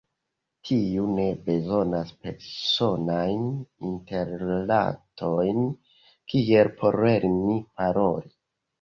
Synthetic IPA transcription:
tʰiune̞be̞zo̞naspe̞ɾso̞najninte̞ɾla̰tʰo̞jn | kie̞lpʰo̞ɾe̞ɾmipaɾo̞ɾi

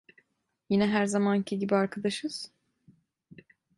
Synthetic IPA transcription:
jinɛɦæɾzamancʰiɟibiaɾkʰad̪aʃɯz̥

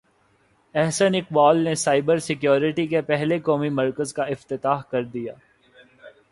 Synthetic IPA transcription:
ɛɦsənɪk̚bɔːlnesaːɪbəɾsɪkjoːɾɪʈikepɛɦlekɔːmimɐɾkəzkaɪft̪ɪt̪aːɦkɐɾd̪ija̰ː

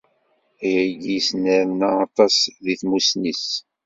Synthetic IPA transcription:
jæɡisnəɾənːaːt̪ˤɑsðiθmusnis

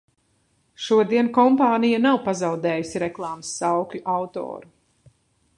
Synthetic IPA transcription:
ʃuɔd̪iɛnkɔmpaːnijanawpazawd̪ɛːjusiɾɛklˠɑːmɨsːawklʲuʔawt̪ɔ̰ːɾu

